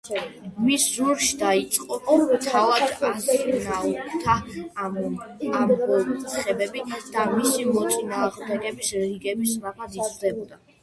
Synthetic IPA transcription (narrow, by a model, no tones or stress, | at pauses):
misːuɾʃid̪ait̪sʼqʼɔt̪ʰavad̪d̪amt̪ʼinat̪ʰa | amɔχɛbɛbid̪̥amisimɔt̪sʼinaːʁmd̪ɛɡɛbisɾiɡɛbisɾabad̪id̪ɛbɔd̪a